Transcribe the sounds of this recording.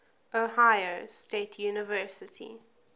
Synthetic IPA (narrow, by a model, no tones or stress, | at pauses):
ʔohaɪosteːtʰjuːnɪvɜːˑsɪtʰḭ